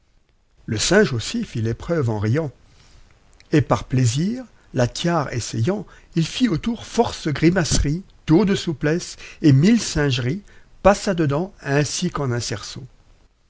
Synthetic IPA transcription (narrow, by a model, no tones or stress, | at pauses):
ləsɛ̃ʒosifilepχœvɑ̃ʁijɑ̃ | epaʁpleziʁ | lat̪ʰjaʁḛsɛjɑ̃ | ilfiot̪uʁfɔʁsɡʁimasʁi | d̪̥od̪əsuplɛsemilsɛ̃ʒʁi | pasad̪əd̪ɑ̃ɛ̃sikɑ̃nɛ̃sɛʁsõ